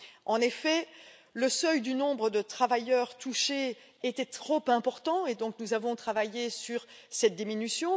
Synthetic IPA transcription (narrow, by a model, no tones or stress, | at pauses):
ʔɑ̃nefɛləsœjd̪ynɔ̃bʁəd̪ət̪χavajœʁt̪ʰuʃe | et̪ɛt̪χopɛ̃pɔʁt̪ɑ̃ed̪ɔ̃k̚nuzavɔ̃t̪χavajesyʁsɛt̪̚d̪iminysjɔ̃